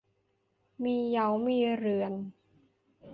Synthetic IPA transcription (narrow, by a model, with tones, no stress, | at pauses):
miː˧ja˨˦wmiː˧ɾɯ˨˩ən